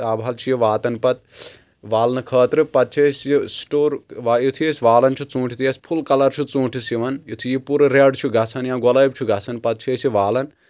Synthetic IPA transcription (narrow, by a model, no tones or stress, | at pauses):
aːbʱɦɐlt͡ʃʰijiʋaːt̪ɐnpɐt̪̚ | ʋaːlnɨkʰɐːt̪ɾɨpɐt̪̚t͡ʃʰeːsʲjisʈoːɾʋajit̪ʰijesʲʋaːlɐnt͡ʃʰut͡sũːʈʰit̪jɐsʲpʰulkɐlɐɾt͡ʃʰut͡sũːʈʰisiʋɐnjit̪ʰujipuɾɐɾeɖt͡ʃʰuɡɐsʰɐnjãːɡɔlɐːjb̚ʲt͡ʃʰuɡɐsʰɐnpɐt̪̚t͡ʃʰeːsiʋaːlɐn